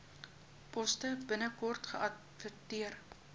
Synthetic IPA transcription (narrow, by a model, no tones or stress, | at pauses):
pɔstəbənəkɔrtχəʔɐt | vətiər